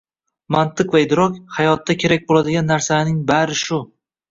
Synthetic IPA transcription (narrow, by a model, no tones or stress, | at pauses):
mant̪ʰɨqvaed̪ɾɒkʲhajɒt̪ːakʲʰe̞ɾak̚ʲbolad̪ɪɡʲanːaɾsalnɪŋbaɾɪʃʊ